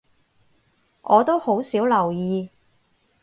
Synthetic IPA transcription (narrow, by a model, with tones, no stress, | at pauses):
ʔɔː˨˧t̪o˥who˨˥wsiː˨˥wlɐ˨˩wjiː˨˧